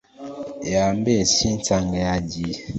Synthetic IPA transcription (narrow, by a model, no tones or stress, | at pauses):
jambɛsin̩t͡saŋɡɛjad͡ʒi